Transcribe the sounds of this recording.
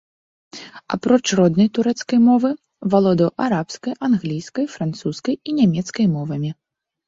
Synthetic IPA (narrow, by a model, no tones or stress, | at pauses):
a̰pɾɔt͡ʂrɔd̪nɐjt̪uɾɛt̪skɐjmɔvɨ | valˠɔd̪ɐwʔaɾapskɐjʔanɣlʲijskɐjfɾant̪suskɐjinʲamʲɛt̪skɐjmɔvɐmʲi